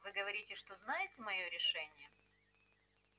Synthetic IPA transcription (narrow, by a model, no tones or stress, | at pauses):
vɨɡəvɐɾʲitʲɪʂt̪oznajɪtʲɪmɐjo̞ɾʲɪʂɛnʲɪjə